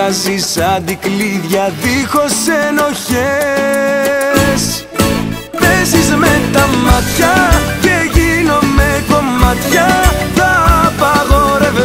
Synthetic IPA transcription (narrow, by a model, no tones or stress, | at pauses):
ɐzisɐðikliðʝɐðixo̞seno̞çe | s | ðesizmet̪ɐmɐt̪çɐce̞ʝino̞meko̞mɐt̪çɐt̪ɐpɐɣoɾev